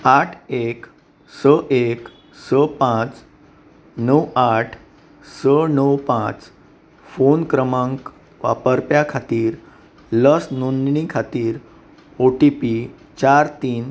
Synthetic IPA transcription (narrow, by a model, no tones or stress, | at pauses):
aʈʰek | səʔek | səpãt͡s | nəwaʈʰ | sənəwpãt͡s | fonkɾəmãŋk | ʋa̰pəɾpjakʰat̪iːɾ | ləsnonɳĩkʰat̪iːɾ | oʈipi | t͡ɕaɾt̪iːn